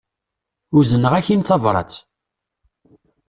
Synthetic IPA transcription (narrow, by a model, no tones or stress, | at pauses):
ʊzənəʁæçinθɑvɾˤɑ̰t͡s